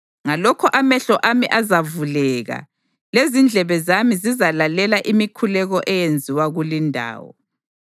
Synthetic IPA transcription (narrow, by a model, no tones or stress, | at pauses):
ŋalɔkʰɔʔamɛɬɔʔamiʔazavulɛɣa̰ | lezind͡ɮʱɛβɛzamizizalalɛlaʔimikʰulɛɣɔʔɛjend͡zʱiwaɣulindʱa̰ːwɔ̰